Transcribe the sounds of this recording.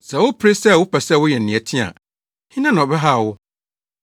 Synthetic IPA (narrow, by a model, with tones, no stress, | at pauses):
sɛ˨wʊ˦pʰɾe˦sɛ˦˨wʊ˦pʰɛ˨sɛ˦˨wʊ˦jɛ˨n̩ː˨ɪ̃˨ɛ˨tʰĩ˦a̰˨ | hɪ̃˦nã˦nã˨ɔ˨bɛ˦ɦa˦˨wʊ˦